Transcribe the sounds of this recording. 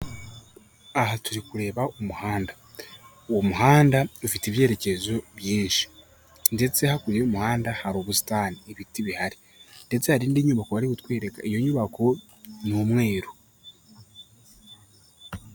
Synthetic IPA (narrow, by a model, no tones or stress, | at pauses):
ahatuɾikuɾe̞ːβaʔumuhaːnda | uwomuhaːndaufitiːβje̞ːɾe̞ce̞zo̞βjiːnʃi̥ | nde̞t͡se̞hakuɾeumuhaːndahaɾoːβusi̥taːniːβitiβihaɾi | nde̞t͡se̞haɾiːndiːɲuβakohaɾikutkweːɾe̞ka̰ijo̞ɲuβako̞ | nuːmŋe̞ːɾo